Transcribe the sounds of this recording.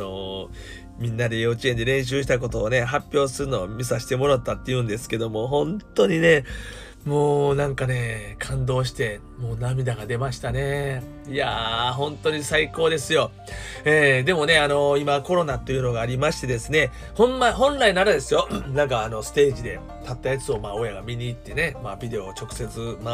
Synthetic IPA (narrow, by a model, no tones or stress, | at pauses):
o | mʲĩnːad̪e̞joːt͡ɕie̞nd̪e̞ɾẽ̞ɰ̃ɕ̬ɨːɕi̥t̪ak̬o̞t̪o̞ːne̞ɦapʲjo̞ːsɨɾɯ̟no̞ːmʲisaɕi̥t̪emo̞ɾat̪ːat̪ːe̞jɯ̟̃nd̪e̞sɨ̥ke̞d̪o̞mo̞ɦõ̞nt̪o̞ɲ̟ine̞ | mo̞ːnãŋkane̞kʰãnd̪o̞ːɕ̬i̥t̪e̞ | mo̞ːnamʲid̪aɡad̪e̞maɕi̥t̪ane̞ | iaɦõ̞nt̪o̞ɲ̟isaiko̞ːd̪e̞sɨjo̞ | eːd̪e̞mo̞ne̞ano̞imako̞ɾo̞nat̪ːo̞jɯ̟no̞ɡaːɾʲimaɕi̥t̪e̞d̪e̞sɨne̞ | hõ̞mːahõ̞nɾainaɾad̪e̞sɨjo̞nãŋkaːno̞sɨ̥t̪e̞ːkid̪e̞ | t̪at̪ːajat͡sɨo̞maːo̞jaɡamʲiɲ̟iːt̪ːe̞ne̞maːbʲid̪e̞o̞t͡ɕo̞kɯ̟̥se̞t͡sɨma